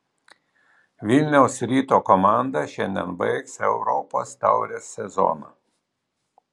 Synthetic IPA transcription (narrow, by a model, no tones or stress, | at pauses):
ʋʲɪlʲnʲɛʊsɾʲiːt̪oːkɔmɑˑnd̪ɐʃʲɛnʲd̪ʲɛ̰nbɐ̰ɪksɛʊɾɔpo̰ːst̪ɑ̰ˑʊɾʲesʲːɛzɔ̰ːnɐ̰